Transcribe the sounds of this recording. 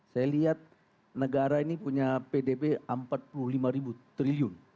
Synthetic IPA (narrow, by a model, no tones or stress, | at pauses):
sajaliɦat̪̚ | nəɡaɾainipuɲapedebeəmpat̪̚puluhlimaɾibut̪ɾiliʊn